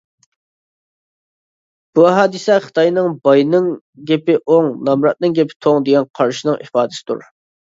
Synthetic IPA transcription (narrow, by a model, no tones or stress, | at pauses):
b̥uæɦɑːd̪ɨsɛχə̥t̪ʰɑjnɨŋbɑjnɨŋ | ɡʲɛpɪʔoŋnɑmɾɑt̪̚nɨŋɡʲɛpʰɪ̥t̪ʰoŋd̪eɡʲɛnqʰɑɾʃinɨŋʔḭfɑːd̪ɪsɨ̥d̪ṵɾ